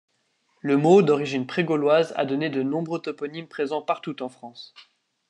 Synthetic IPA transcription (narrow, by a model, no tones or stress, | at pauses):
ləmod̪ɔʁiʒinpχeɡɔlwaza̰d̪ɔned̪ənɔ̃bʁøt̪ɔpɔnimpχezɑ̃paʁt̪ut̪ɑ̃fχɑ̃s